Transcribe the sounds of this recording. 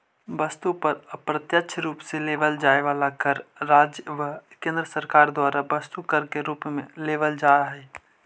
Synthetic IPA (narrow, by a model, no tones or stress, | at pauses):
bəst̪upəɾəpɾət̪jətːʃʰɾuːpseleːʋəld͡ʒaːeʋaːlakəɾːaːd͡ʒʋəkẽːnd̪ɾəsəɾkaːɾd̪waːɾabəst̪ukəɾkeɾuːpmẽleːʋəld͡ʒaːɾaɦɛː